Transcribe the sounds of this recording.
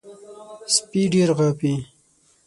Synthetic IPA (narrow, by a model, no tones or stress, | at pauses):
spiɖeɾɣapi